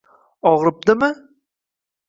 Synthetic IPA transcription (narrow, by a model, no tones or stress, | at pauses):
ɒʁɾɪp̚d̪ɪmɪ